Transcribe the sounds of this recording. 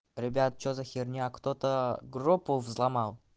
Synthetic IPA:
ɾʲɪbʲat̪̚t͡ʃozaxʲerʲnʲiakt̪ot̪əɡrupːuvzlˠamɑlˠ

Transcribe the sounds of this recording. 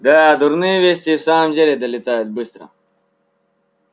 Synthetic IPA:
d̪aad̪uɾniːʋest̪iːsaːmd͡ʑɐɾed̪ɐlit̪aːjet̪̚bɨst̪ɾɐ̰

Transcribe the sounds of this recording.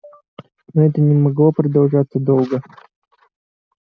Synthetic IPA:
noɛt̪ənʲɪmɐɡlˠopɾəd̪ɐlˠʐat̪səd̪olˠɡə

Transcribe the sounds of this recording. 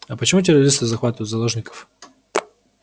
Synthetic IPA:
ɐpət͡ɕɪmut̬ʲɪɾɐɾʲist̪ɨzɐxvat̪əjʊt̪zɐlˠoʐnʲɪkə̥f

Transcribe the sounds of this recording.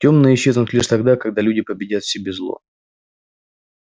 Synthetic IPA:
tʲo̞mnəɪɕːe̞znʊt̪lʲiʂt̪ɐɡd̪akɐɡ̚d̪alʲudʲɪpəbʲɪdʲat̪fsʲɪbʲe̞zlˠo̰

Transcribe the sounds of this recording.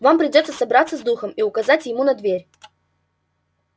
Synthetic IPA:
vampɾʲɪdʲot̪səsɐbɾat̪səzd̪uxəmiʊkɐzatʲjɪmunɐd̪vʲeɾʲ

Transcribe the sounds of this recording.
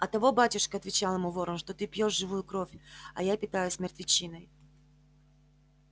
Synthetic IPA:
ɐt̪ːɐvo̞batʲʊʂkəɐt̪vʲɪt͡ɕalˠɪmuvo̞ɾəmʂt̪o̞t̪ɨpʲjo̞ʂʐɨvujʊkɾofʲɐ̰japʲɪt̪ajʊsʲmʲɪrt̪vʲɪt͡ɕinəj

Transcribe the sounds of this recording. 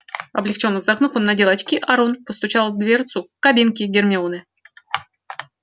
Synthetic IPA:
ɐblʲɪkt͡ɕo̞nːəvzd̪ɐknufo̞nːɐdʲelˠɐt͡ɕkʲiʔɐɾonpəst̪ʊt͡ɕalˠd̪vʲert̪sʊkɐbʲinkʲɪɡʲɪrmʲɪonɨ

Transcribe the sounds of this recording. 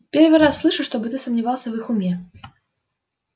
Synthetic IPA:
pʲervɨɾasːlˠɨʂɨʂt̪obɨt̪ɨsəmnʲɪvalˠsʲəvɨxʊmʲe

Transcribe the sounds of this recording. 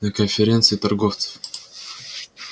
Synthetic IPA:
nəkənfʲɪɾʲe̞nt̪sɨɪt̪ɐrɡoft̪sə̥f

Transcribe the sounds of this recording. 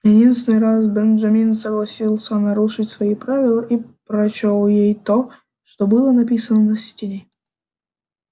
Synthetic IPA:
jɪdʲinst̪ʲɪnɨjɾasbɛnʐɐmʲinsəɡlˠɐsʲilˠsʲənɐɾuʂɨtʲsvɐipɾavʲɪlˠəʔipɾɐt͡ɕolˠjejt̪o | ʂt̪obɨlˠənɐpʲisənənəsʲtʲɪlʲe

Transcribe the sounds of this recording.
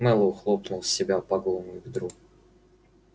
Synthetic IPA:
mɛlˠʊxlˠopnʊlˠsʲɪbʲapɐɡolˠnʊjʊvʲd̪ɾu

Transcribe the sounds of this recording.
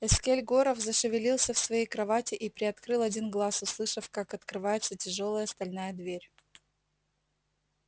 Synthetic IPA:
ɛskʲelʲɡo̞ɾəfzəʂɨvʲɪlʲilˠsʲəfsvɐjejkɾɐvatʲɪʔipɾʲɪɐt̪kɾɨlˠɐdʲinɡlˠasʊslˠɨʂəfkakɐt̪kɾɨvajɪt̪sətʲɪʐo̞lˠəjəst̪ɐlʲnajəd̪vʲeɾʲ

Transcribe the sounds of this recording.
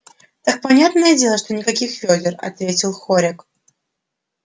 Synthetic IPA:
t̪ak̚pɐnʲat̪nəjədʲe̞lˠəʂt̪onʲɪkɐkʲixfʲodʲɪrɐ̰t̪vʲetʲɪlˠxoɾʲɪk

